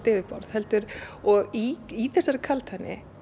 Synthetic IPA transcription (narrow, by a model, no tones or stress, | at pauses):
t̪ɪːvɪpɔɾð̥hɛl̪t̪ʏɾɔɣiiθɛsːaɾɪkʰalt̪hanːɪ̰